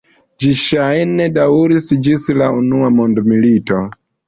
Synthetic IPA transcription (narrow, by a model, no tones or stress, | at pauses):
d͡ʒiʃajnedauɾisd͡ʒislaunuamondmilito